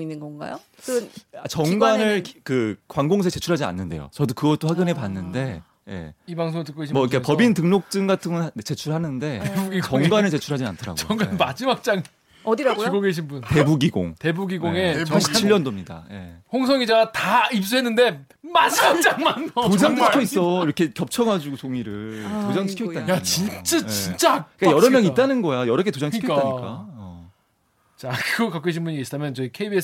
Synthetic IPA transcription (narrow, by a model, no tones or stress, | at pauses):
inːɯnɡʌnɡa̰jo | sʰɯnat͡ɕʌŋɡanɯɭkɯkwaŋɡoŋs̬ʰet͡ɕe̞t͡ɕʰuɾɦad͡ʑia̰nːɯnde̞̰jo̰t͡ɕʌdokɯɡʌɭt͈oɸaɡɯnɦe̞panːɯnde̞ | je̞̰ibaŋs̬ʰoŋɭtɯk͈oɡeɕʰimwʌikʰepʌbintɯŋnok̚t͡ɕ͈ɯŋɡatʰɯŋɡnt͡ɕe̞t͡ɕʰuɭhanɯnde̞ebuɡit͡ɕʌŋɡanɯɭt͡ɕe̞t͡ɕʰuɭɦad͡ʑia̰ntʰʌɾa̰ɡ̰ʌŋɡanmad͡ʑimak̚t͡ɕ͈aŋ | ʌdiɾaɡookoɡeɕʰinbunte̞buɡiɡo̰ŋte̞buɡiɡoŋe̞t͡ɕʰiʎːʌndomɲida̰je̞̰hoŋs̬ʰʌŋid͡ʑaɡataip̚s͈uɦe̞nːɯnde̞ | mad͡ʑimakt͡ɕ͈aŋmanod͡ʑaŋʰi̥kʰjois͈ʌiɾʌkʰe̞kjʌp̚t͡ɕʰʌŋɦad͡ʑuɡosʰoŋiɾɯɭtod͡ʑaŋʰi̥kʰoitt͈anjat͡ɕint͡ɕ͈at͡ɕint͡ɕ͈akk͈ajʌɾʌmjʌŋit͈anɯnɡʌjajʌɾʌk̬ʰetod͡ʑaŋʰtiikʰk͈ataɲikk͈a̰ʌ | t͡ɕakɯɡʌkak͈ueɕʰinbuɲieɕʰidamjʌnt͡ɕʌikʰeibies